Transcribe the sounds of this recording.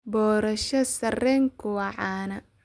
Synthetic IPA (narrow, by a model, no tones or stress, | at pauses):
bɔːɾɐʃɐsɐrɛːŋkʰʊwɑʕɑːnɐ